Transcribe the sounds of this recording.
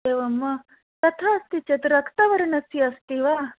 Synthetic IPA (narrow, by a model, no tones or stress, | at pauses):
eʋɐmːɐ | t̪ɐt̪ʰaːst̪it͡ʃet̪ɾɐkʰt̪aʋɐɾɳɐsiɐst̪iʋa